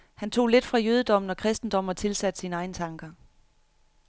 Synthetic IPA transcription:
hænt͡sʰo̝̰ːle̝d̥fʁɑ̈jøːð̞ˠəd̥ɒ̽m̰n̩ɒ̽kʰʁɛsd̥n̩d̥ɒ̽m̰ɒt͡sʰe̝lsæd̥sinɑ̈ɪn̩t͡sʰɑ̈ŋɡ̥ɐ

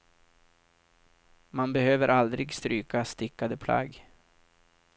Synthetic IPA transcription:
manbɛhøːvəɾʔald̪ɾɪɡst̪ɾyːkast̪ɪkːad̪əpʰla̰ɡ

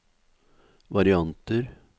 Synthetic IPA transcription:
ʋɑɾɪɑnt̪əɾ

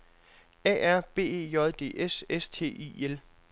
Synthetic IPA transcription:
ɛ̰ːæɐ̰b̥e̝̰ːe̝̰ːjɒðˠd̥e̝̰ːʔesest͡sʰe̝̰ːḭel

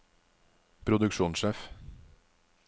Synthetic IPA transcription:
pʰɾʊd̪ʉkʃuːnʃeːf

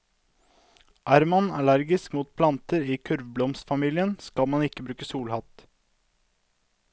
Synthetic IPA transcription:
ʔæːɾmɑnɑlæɾɡɪskmuːt̪̚pʰlɑnt̪əɾiːkʰʉɾʋblɔmst̪fɑmiːlɪənskɑlmɑnɪkːəbɾʉːkəsuːlhɑt̪

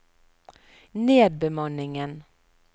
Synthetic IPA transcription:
neːd̪̚bɛmɑnːɪŋən

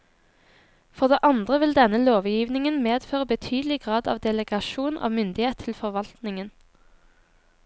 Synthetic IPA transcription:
fɔʁd̪eːʔɑnd̪ʁəʋɪld̪ɛnəloːʋjiːʋnɪŋənmeːd̪føːʁəbət̪ʰyːd̪əl̩ɪɡʁɑːd̪ɑ̰ːʋd̪ɛləɡɑʃuːnʔɑ̰ːʋmʏnd̪ɪheːt̪ʰːɪlfɔʁʋɑlt̪nɪŋən

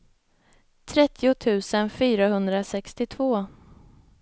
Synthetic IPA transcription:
t̪ʰɾɛt̪ʰːɪʊt̪ʰʉ̟ːsənfyːɾaɦɵnd̪ɾasɛkst̪ɪt̪ʰvoː

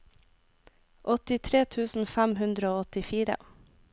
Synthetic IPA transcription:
ʔɔt̪ɪt̪ʰɾeːt̪ʰʉːsn̩fæmhʉnd̪ɾəoːɔt̪ɪfiːɾə̰

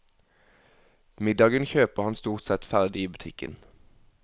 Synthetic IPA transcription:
mɪd̪ɑːɡənçøːpəʁhɑnst̪uːʁt̪sɛt̪fæʁd̪ɪiːbʉt̪ʰɪkə̰n

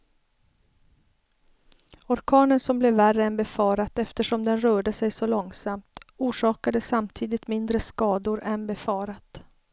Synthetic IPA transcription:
ɔɾkʰɑːnənsɔmblɛværːəɛnbɛfɑːɾat̪ɛft̪əʂɔmd̪ɛnɾœːɖəsɛjsɔlɔŋsamt̪uːʂɑːkad̪əsamt̪ʰiːd̪ɪt̪mɪnd̪ɾəskɑːd̪ʊɾɛnbɛfɑːɾat̪

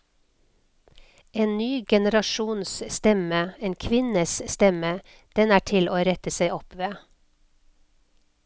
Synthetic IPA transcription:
eːnnyːɡɛnəɾɑʃuːnsst̪ɛməeːnkʰʋɪnəsst̪ɛmə | d̪̥ɛnæːʈʰɪlʔoːɾɛt̪əsæɪɔpʋeː

